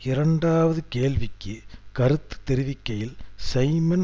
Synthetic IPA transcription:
ɪɾɐɳɖaːʋɐðɯkeːlʋɪkːɯkɐɾɯt̪ːɯ̥t̪ːɛɾɪʋɪkːɐjɪlsɐɪmɐn

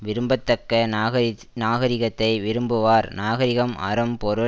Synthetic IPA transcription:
ʋɪɾɯmbɐt̪ːɐkːɐ | naːɣɐɾɪɣɐt̪ːɐɪʋɪɾɯmbɯʋaːɾnaːɣɐɾɪɣɐmʔɐ̰ɾɯmpɔɾɯ

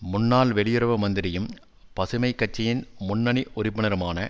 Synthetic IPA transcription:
mʊnːaːlʋɛɭɪjɪɾɐʋɯmɐnd̪ɪɾɪjɯm | pɐsɯmɐɪkːɐt͡ʃːɐjɪnmʊnːɐɳiʔʊrɪpːɯnɐɾɯmaːnɐ

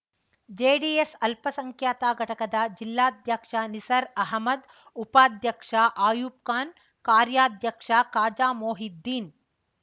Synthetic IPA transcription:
d͡ʒeːɖiːesɐlpɐsɐŋkʰjaːt̪aːɡʱɐʈɐkɐd̪ɐd͡ʒilːaːd̪ʱjɐkʂanisɐɾɐɦɐmɐd̪ | upaːd̪ʱjɐkʂaʔaːjuːp̚kaːn | kaːɾjaːd̪ʱjɐkʂakaːd͡ʒaːmoːɦid̪ːiːn

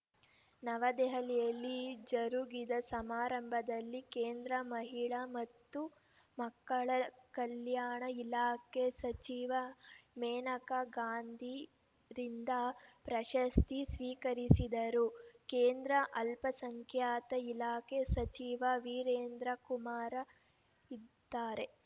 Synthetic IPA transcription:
nɐʋɐd̪ɛɦɐlɛjɐlːid͡ʒɐɾuɡid̪ɐsɐmaːɾɐmbʱɐd̪ɐlːikeːnd̪ɾɐmɐɦiɭɐmɐt̪ːu | mɐkːɐɭɐkɐljaːɳɐilaːkesɐt͡ʃiːʋɐmɛːnɐkɐɡaːnd̪ʱi | ɾind̪ɐpɾɐʃɐst̪isʋiːkɐɾisid̪ɐɾukeːnd̪ɾɐʔɐlpɐsɐŋkʰjaːt̪ɐilaːkʰesɐt͡ʃiːʋɐʋiːɾeːnd̪ɾɐkumaːɾɐ | id̪ːaːɾe̞

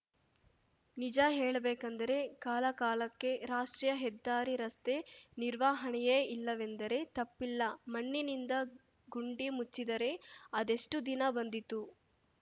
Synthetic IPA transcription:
nid͡ʒɐɦeːɭɐbeːkɐnd̪ɐɾe̞kaːlɐkaːlɐkːe̞ɾaːʂʈɾijɐɦɛd̪ːaːɾiɾɐst̪e̞niɾʋaːɦɐɳɛjeːilːɐʋe̞nd̪ɐɾe̞t̪ɐpːilːɐmɐɳːinind̪ɐ | ɡuɳɖimut͡ʃːid̪ɐɾe̞ɐd̪e̞ʂʈud̪inɐbɐnd̪it̪u

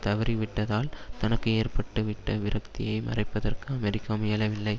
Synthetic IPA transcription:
t̪ɐʋɐɾiʋɪʈːɐðaːlt̪ɐnɐkːɯeːrpɐʈːɯʋɪʈːɐʋɪɾɐk̚t̪ɪjɐɪmɐ̰rɐɪpːɐðɐrkɯɐmɛɾɪkːaːmɪjɐlɐʋɪlːɐɪ

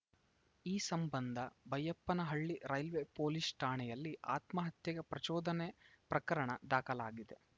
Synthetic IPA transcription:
iːsɐmbɐnd̪ʱɐbɐjɐpːɐnɐɦɐɭːiɾɐjlʋepoːlisʈʰaːɳɛjɐlːia̰ːt̪mɐɦɐt̪jɐɡɐpɾɐt͡ʃɔːd̪ɐnepɾɐkɐɾɐɳɐd̪aːkɐlaːɡid̪e̞

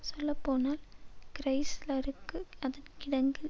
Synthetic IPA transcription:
sɔlːɐpːoːnaːlkɪɾɐɪslɐɾɯkːɯɐðɐnkɪɽɐŋɡɪ

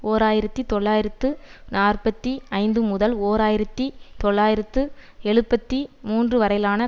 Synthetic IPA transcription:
oːɾaːjɪɾɐt̪ːit̪ːɔɭːaːjɪɾɐt̪ːɯnaːrpɐt̪ːiɐɪnd̪ɯmʊðɐloːɾaːjɪɾɐt̪ːit̪ɔɭːaːjɪɾɐt̪ːɯɛɻɯpːɐt̪ːimuːndrɯʋɐɾɐɪlaːnɐ

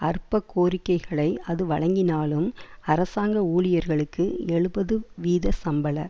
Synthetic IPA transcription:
ɐrpːɐkʰːoːɾɪkːɐɪɣɐɭɐɪɐðɯʋɐɻɐŋɡɪnaːlɯmɐɾɐsaːŋɡɐuːɭɪjɐɾɣɐɭɯkːɯɛɭɯbɐðɯʋiːðɐsɐmbɐlɐ̰

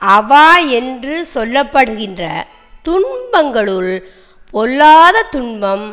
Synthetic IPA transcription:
ʔɐʋaːɛndrɯsɔlːɐpːɐɽɯɣɪndrɐ̰ | t̪ʊɳbɐŋɡɐɭɯl | pʰɔlːaːðɐt̪ʊɳbɐm

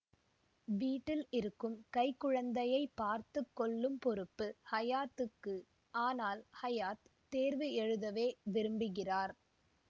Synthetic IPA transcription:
ʋiːʈːɪlɪɾɯkːɯmkɐɪkːʊɻɐnd̪ɐjɐɪpːaːɾt̪ɯkːɔɭːɯmpɔɾɯpːɯhɐjaːt̪ːɯkːɯ | ʔaːnaːlhɐjaːt̪t̪ːeːɾʋɯɛɻɯðɐʋeːʋɪɾɯmbɪɣɪraːɾ

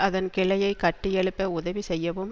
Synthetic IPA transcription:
ɐðɐnkɪɭɐjɐɪkɐʈːɪjɛɭɯpːɐʊðɐʋisɛjːɐʋɯm

